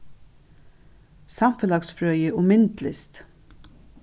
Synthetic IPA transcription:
samfɛlɑksfɾœːjəʔʊmɪnt̪lɪst̪

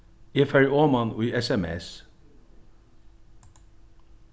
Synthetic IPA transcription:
iːfɛɹoːmɑnːiːʔɛsɛmɛ̰s

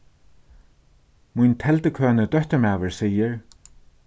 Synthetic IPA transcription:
mujnt̪ʰɛlt̪əkʰøːnəd̪œht̪əɹmaːvəɹsiːəɹ

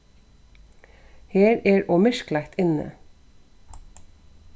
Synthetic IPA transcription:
heːɹeːɹʔoːmɪʃklækt̪ɪnə̰

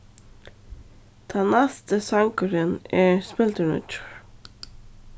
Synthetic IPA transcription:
d̪̥ʰɛnæst̪əsɑŋkəɾənæːɹspɪlt̪əɳʉ̰t͡ʃʊ̥ɹ

